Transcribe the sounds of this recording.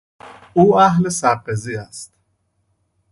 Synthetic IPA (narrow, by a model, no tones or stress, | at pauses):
uaɦlesaːqeziast̪